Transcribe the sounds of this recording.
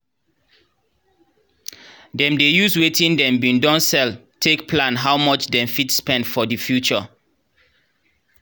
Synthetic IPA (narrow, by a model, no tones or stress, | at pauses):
dɛ̃mdejuswetĩndɛ̃mbĩndɔ̃nsɛl | tʰekpʰlãnɦawmɔt͡ʃdɛ̃mfitspɛ̃ndfɔdifjut͡ʃə